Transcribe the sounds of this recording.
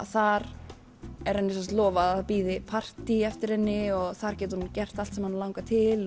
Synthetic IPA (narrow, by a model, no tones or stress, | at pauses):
aθaɾ | ɛɾ̥hanːɪsɛst̪lɔːvaaðpiːðɪpʰar̥t̪iɛft̪ɪɾ̥hɛnːɪɔɣθaɾ̥cɛːt̪hunːcɛr̥t̪alt̪sɛmhanlawŋkat̪ʰɪl